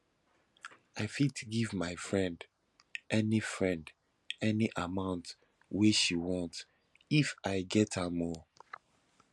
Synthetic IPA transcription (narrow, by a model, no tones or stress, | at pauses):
aɪfitɡivmaɪfɹɛ̃nd | ʔɛnifɹɛ̃nd | ɛniʔamãʊ̃nt | weʃiwɔ̃nt | ifaɪɡɛthamɔ